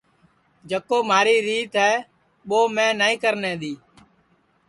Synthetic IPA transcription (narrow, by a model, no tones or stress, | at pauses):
d͡ʒəkoːmaːɾiːɾiːt̪ɦɛː | ɓoːmɛ̃ːnaːĩːkəɾnẽːɗ̪iː